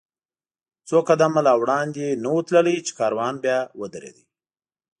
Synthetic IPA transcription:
t͡sokad̪amalɑwɽɑnd̪enawut̪ləlit͡ʃe̥kɑɾwɑnbjɑwəd̪əɾḛd̪i

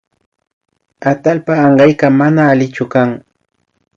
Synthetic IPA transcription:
at̪alpaːɴɢɑjkamanaːlɪt͡ʃʊkaŋ

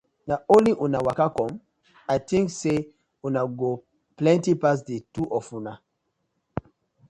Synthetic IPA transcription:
naõnliʔũnawakakɔ̃m | aɪtĩŋkse | unaɡo | plɛ̃ntipas̬detuʔɔfuna

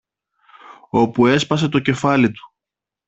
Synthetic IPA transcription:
o̞pue̞spɐse̞t̪o̞ce̞fɐlit̪u̥

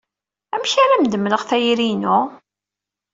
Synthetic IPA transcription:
æmçaɾæmd̪əmləʁθæjɾinʊ

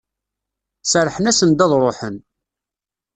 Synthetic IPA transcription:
səɾħənæsənd̪æðˤɾˤoħən

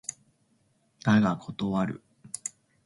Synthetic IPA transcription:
naɡakʰo̞t̪o̞βaɾɯ̟̰

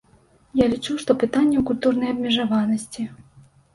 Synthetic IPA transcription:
jalʲit͡ʂuʂt̪ɔpɨt̪anʲːɛwkulʲt̪urnɐjɐbmʲɛʐavanɐsʲt͡sʲi

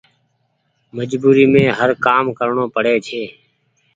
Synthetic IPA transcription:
məd͡ʒbuːɾiːmẽːɦəɾkaːmkəɾɳoːpəɽeːt͡ʃʰeː

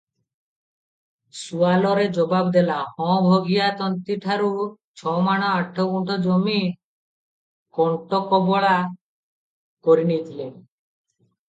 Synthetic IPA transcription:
sualɔɾed͡ʒɔbabd̪elahɔ̃bʱoɡijat̪ɔnt̪iʈʰaɾu | t͡ʃʰɔmaɽ̃ɔaʈʰːɔkuɳʈɔd͡ʒomi | kɔɳʈɔkɔbɔɭa | kɔɾinit̪ʰile

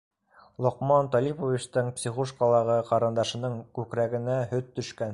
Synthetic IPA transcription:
lˠŏqmɑnt̪ɒlipovʲit͡ɕt̪ɤɴpsʲiχoʃkɑlˠɑʁɤqɑɾɤ̆nd̪ɑʃɤ̆nɤɴkʉkɾæɡɘ̆næhɵt̪ːɵ̆ʃkæn

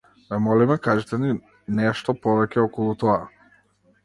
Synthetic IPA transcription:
vɛmɔlimɛkaʒɛt̪ɛni | nɛʃt̪ɔpɔvɛcɛɔkɔlˠut̪ɔa

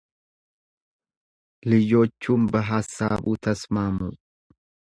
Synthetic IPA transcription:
lɪjo̞ːt͡ʃːuːnbɐɦasːaːbuːt̪ʰɐsmaːmu

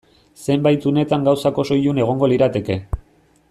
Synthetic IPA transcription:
se̞mbajt̪une̞t̪aŋɡawsako̞so̞june̞ɣ̞o̞ŋɡo̞liɾat̪e̞ke̞

